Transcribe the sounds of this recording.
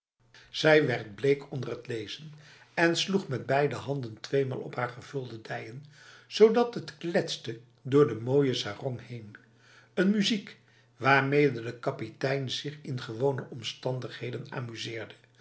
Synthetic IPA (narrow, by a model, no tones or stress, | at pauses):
z̥ɛjʋɛɹd̚blejkʰɔndərɦətlejz̥ən | ɛnsluχmɛd̚bɛjdəɦɑndəntʋejma̰ːlˠɔ̰pɦaːɹχəv̥ɵlˠdədɛjən | z̥owdɑtətklɛtstə | dʊːɹdəmoːjəsaːrɔŋhejn | ənmyzik | ʋaːɹmejdədəkɑpitɛjnzɪχɪnχəʋownəʔɔmstɑndəχɦejdəna̰ːmyzɪːɹdə